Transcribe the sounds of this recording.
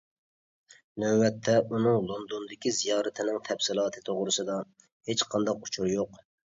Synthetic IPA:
nɛːɛt̪ʰːɛʔunɨŋlˠond̪ond̪ɪkʲizijɑːɾɛt̪ʰɪnɪŋt̪ʰɛpsɪlˠɑːt̪ʰɨt̪ʰoʁɾɨsɨd̪ɑ | het͡ʃqʰɑnd̪ɑqut͡ʃʰuɾjoq

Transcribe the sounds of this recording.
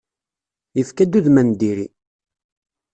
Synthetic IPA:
jəfkæd̪uðmænd̪iɾi

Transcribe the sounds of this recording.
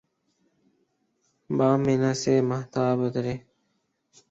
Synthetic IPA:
baːminaseːməht̪aːbot̪ɾe

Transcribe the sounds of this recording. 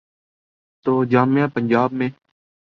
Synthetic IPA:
t̪oːd͡ʒãːmjãːpəɲd͡ʒaːbmẽː

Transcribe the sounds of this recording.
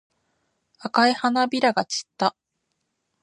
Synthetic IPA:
akaihanabʲiɾaɡat͡ɕi̥t̪ːa

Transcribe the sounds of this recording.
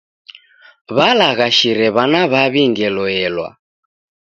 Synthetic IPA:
βalaɣaʃiɾɛβanaβaβiŋɡɛlɔɛlwa̰

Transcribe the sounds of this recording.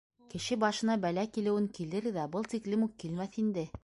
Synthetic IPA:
kɘ̆ʃɘbɑʃɤ̆nɑbælækilɘ̆wɘŋkilɘɾðæbɤlˠt̪iklɘmuq̚kːilmæθind̪ɘ

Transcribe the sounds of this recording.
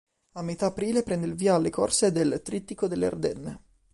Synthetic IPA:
amːet̪aːpɾiːlepɾɛnd̪eilviːaːlːekorseːd̪elt̪ɾit̪ːikod̪elːḛrd̪ɛnːe

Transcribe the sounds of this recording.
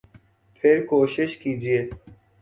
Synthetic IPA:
pʰɪɾkoːʃɪʃkiːd͡ʒieː

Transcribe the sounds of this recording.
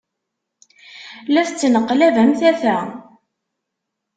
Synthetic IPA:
læθt͡sːnəqːlævæmθæθæ

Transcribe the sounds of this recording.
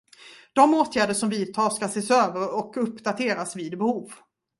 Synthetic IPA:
d̪̥ɔmoːt̪ʰjæːɖəʂɔmviːd̪̚t̪ʰɑːʂkaseːsøːvəɾɔkɵpːd̪at̪ʰeːɾasviːd̪bɛhuːv

